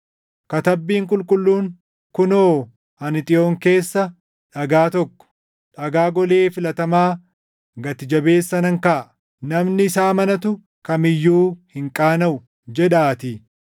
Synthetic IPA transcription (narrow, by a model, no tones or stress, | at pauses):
kɐt̪ɐbːiːŋkʼʊlkʼʊlːuːŋ | kʊnoː | hɐnɪt̪ʼɪo̞ːŋke̞ːsːɐ | ᶑɐɡaːt̪ɔkːɔ̥ | ᶑɐɡaːɡɔle̞ːfɪlɐt̪ɐmaː | ɡɐt̪ɪd͡ʒɐbe̞ːsːɐnɐŋkɐʔ | nɐmnɪɪsaːmɐnɐt̪ʊ | kɐmɪjːuːhɪŋkʼaːnɐʔʊ | d͡ʒɛᶑaːt̪ɪ